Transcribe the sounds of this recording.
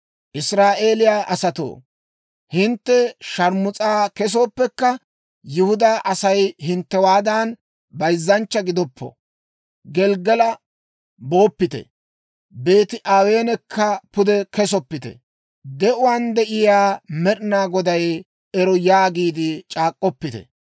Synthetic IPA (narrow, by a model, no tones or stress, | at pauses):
ʔɪsɾaːʔe̞ːlɪjaːʔɐsɐt̪o̰ː | hɪnt̪ːɛʃɐɾmʊt͡sʼaːkɛs̬o̞ːpːɛkːɐ | jʊhʊd̪aʔɐsɐjhɪnt̪ːɛwaːd̪aːn | bɐjzːɐnt͡ʃːɐɡɪd̪ɔpːɔ̰ | ɡɛlɡɛlɐ | bo̞ːpːɪt̪ɛ̰ | be̞ːt̪ɪʔaːwe̞ːnɛkʰːɐpʊd̪ɛkɛsɔpːɪt̪ɛ̰ | d̪ɛʔʊwaːnd̪ɛʔɪjaːmɛɾɪnaːɡɔd̪ɐj | ɛɾɔjaːɡiːd̪ɪt͡ʃʼaːkʼːɔpːɪt̪ɛ̰